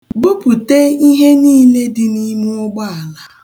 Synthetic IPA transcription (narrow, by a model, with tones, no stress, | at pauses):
bʊ˦pʊ˨te˦i˦ɦe˦niː˦le˦dɪ˨ni˦mu˦ʊ˦ɡ͡ba˦a˨la˦